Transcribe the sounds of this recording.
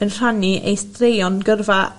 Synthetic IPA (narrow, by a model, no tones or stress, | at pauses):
ənr̥aniʔḛjstrejɔnɡərva